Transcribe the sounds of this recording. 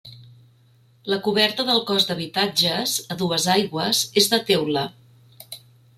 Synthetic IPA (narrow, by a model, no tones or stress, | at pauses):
ləkuβɛɾt̪əðəlˠkɔzd̪əβit̪ad͡ʒəzəðuəzajɣwəz̥ezðət̪ɛwlə